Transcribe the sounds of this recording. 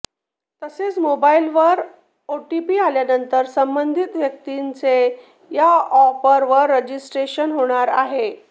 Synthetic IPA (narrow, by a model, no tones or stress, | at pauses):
t̪əset͡smobailʋəɾ | oʈipiːaljanənt̪əɾsəmbənd̪ʱit̪ʋjək̚t̪int͡se | jaɔpəɾʋəɾːəd͡ʑisʈɾeɕənɦoɽ̃aɾaɦe